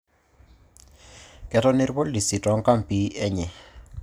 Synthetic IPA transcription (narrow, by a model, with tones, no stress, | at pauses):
kɛ˨tɔ˦nɪ˦ɾbɔ˦li˨si˨tɔ˨˦ŋ˦ka˦m˨pi˨˦ɛ˦ɲɛ˨